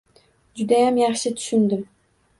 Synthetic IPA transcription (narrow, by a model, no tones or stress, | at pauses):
d͡ʒʊd̪ajamjɑχʃɪt̪ʰʊ̥ʃʊnd̪ɪm